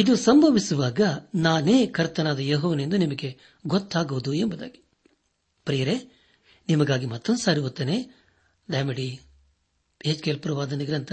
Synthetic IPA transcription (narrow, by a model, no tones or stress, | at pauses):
id̪usɐmbʱɐʋisuʋaːɡɐnaːne̞ːkɐɾt̪ɐnaːd̪ɐjoːɦɔːʋɐnend̪unimɐɡe̞ | ɡot̪ːaːɡuʋud̪uembɐd̪a̰ːɡi̥ | pɾijɐɾe | nimɐɡaːɡimɐt̪ːɐnd̪saːɾiʋot̪ːeneː | d̪ɐjmɐɽi | eːt͡ʃkelpɾɐʋaːd̪ɐniɡɾɐnt̪ʰɐ